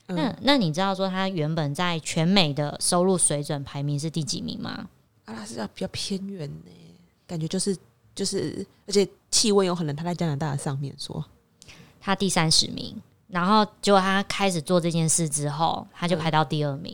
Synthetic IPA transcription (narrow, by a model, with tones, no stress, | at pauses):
na˥˩˨na˥˩ni˨˩ʈ͡ʂɻ̩˥t̪ɑ˥˩ʊʂwɔ˥t̪ʰa˥ɥɛ˧˥npə˨˩nt͡sa˥˩ɪt͡ɕʰɥɛ˧˥nme˨˩ɪd̪ə˦ʂo˥ʊlu˥˩swe˧˥ɪt͡swə˨˩npʰa˧˥ɪmi˧˥ŋʂ̬ɻ̩˥˧t̪i˥˩t͡ɕḭ˨˩mḭ˧˥ŋma̰˧ | a˥˩la˥˩ʂɻ̩˥˧˩jpi˨˩t͡ɕɑ˥˩ʊpʰjɛ˥nɥɛ˧˥ne˨˩ | ka˨˩nt͡ɕɥɛ˧˥t͡ɕjo˥˧ʊʂɻ̩˥˧ | t͡ɕjo˥˧ʊʂɻ̩˥˩ə˞˧˥t͡ɕʰɛ˨˩ | t͡ɕʰi˥˧wə˥˩njo˧ʊxʰə˨˩n˨˧˦t̪ʰa˥a˥˩ɪt͡ɕa˥na˧˥nt̪a˥˨˩də˩ʂɑ˥˧ŋmjɛ̰˥˨nʂwɔ̰˦˥ | t̪ʰa˥t̪i˥˩sa˦˥nʂɻ̩˧˥mḭ˧˥ŋ | ɻa˧˥nxo˥˩ʊt͡ɕjo˥˩ʊt̪ʰa˥kʰa˥ɪʂɻ̩˨˩t͡swɔ˥˧ʈ͡ʂɤ˥˧t͡ɕjɛ˥˧nʂɻ̩˥˩ʈ͡ʂɻ̩˥xo˥˩ʊt̪ʰa˥t͡ɕjo˥ʊpʰa˧˥ɪɑ˥˧ʊt̪i˥˧ə˥˩mḭ˧˦ŋ